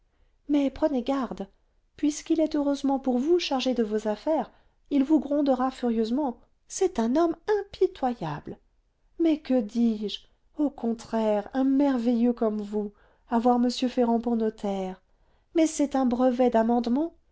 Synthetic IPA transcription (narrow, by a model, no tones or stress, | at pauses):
mɛpχəneɡaʁd̪ | pɥiskilɛt̪øʁøzmɑ̃puʁvuʃaʁʒed̪əvozafɛʁ | ilvuɡʁɔ̃d̪əʁafyʁjøzmɑ̃ | sɛt̪ɛ̃nɔmɛ̃pit̪waja̰bl | mɛkəd̪iʒ | okɔ̃t̪χɛʁɛ̃mɛʁvɛjøkɔmvu | avwaʁməsjøfeʁɑ̃puʁnɔt̪ʰɛʁ | mɛsɛt̪ɛ̃bʁəvɛd̪amɑ̃d̪mɑ̃